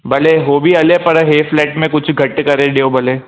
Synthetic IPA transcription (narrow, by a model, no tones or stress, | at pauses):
bɐleɦoːbʱiɐlepɐɽɦeːflɛːʈmẽkʊt͡ʃʰɡʱɐʈkɐɾẽɖeobɐleː